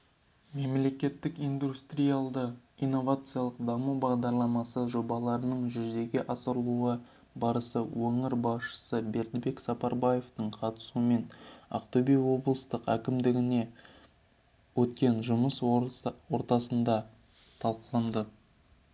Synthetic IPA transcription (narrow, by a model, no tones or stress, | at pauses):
me̞mle̞kʲe̞t̪ːɪkijnd̪ust̪ɾʲijalˠd̪əijnːo̞vat̪sɨjalˠəqd̪ɑmubɑʁd̪ɑɾlˠɑmɑsəʒo̞bɑlˠɑɾənəɴʒʏzd̪e̞ɡʲeʔɑsəɾəlˠuə | bɑɾəsəwɵŋɪɾbɑsʃə̥səbe̞ɾd̪be̞ksɑpɑɾbaje̞ft̪əɴqʰɑt̪ə̥suəme̞nɑ̰qt̪obejwo̞blˠəst̪əqæ̰kʲɪmd̪ɪɡʲɪne̞ | wɵt̪kʲe̞nʒʊməswo̞ɾt̪ɑsənd̪ɑ | t̪ʰɑlˠqəlˠɑnd̪ə